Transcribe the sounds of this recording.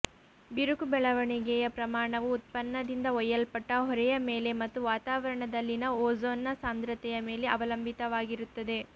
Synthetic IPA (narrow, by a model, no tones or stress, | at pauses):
biɾukubɛɭɐʋɐɳiɡɛjɐpɾɐmaːɳɐʋuːt̪̚pɐnːɐd̪ind̪ɐɔjːɐlpɐʈːɐɦɔɾɛjɐmeːle̞mɐt̪ːuʋaːt̪aːʋɐɾɐɳɐd̪ɐlːinɐoːzoːnːɐsaːnd̪ɾɐt̪ɛjɐme̞ːle̞ʔɐʋɐlɐmbit̪ɐʋaːɡiɾut̪ːɐd̪e̞